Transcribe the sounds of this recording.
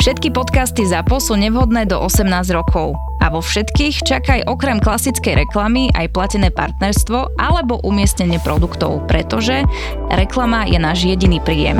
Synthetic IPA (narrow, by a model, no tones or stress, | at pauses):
fʃɛt̪kipɔt̪kast̪izapɔsuːɲɛʋɦɔd̪nɛːd̪ɔʔɔsɛmnaːzɾɔkʰɔʊ | a̰ʋɔfʃɛt̪kiːxt͡ʃakajʔɔkɾɛmklasit͡skɛjɾɛklamiʔa̰jplacɛnɛːpa̰ɾt̪nɛɾst̪ʋɔʔalɛbɔʔumɪɛstɲɛɲɪɛpɾɔd̪ukt̪ɔ̰ʊpɾɛt̪ɔʒɛ | ɾɛklamajɛnaːʒjɛɟiniːpɾiːjɛ̰m